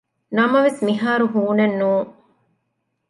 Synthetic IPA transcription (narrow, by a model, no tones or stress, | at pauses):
nɐmɐʋesmiɦaːɾuɦuːnɐnːuːŋ